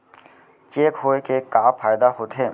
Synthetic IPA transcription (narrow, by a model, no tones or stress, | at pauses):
t͡ʃeːkɦoːekekaːfʰaːjɪd̪aɦoːt̪ɦeː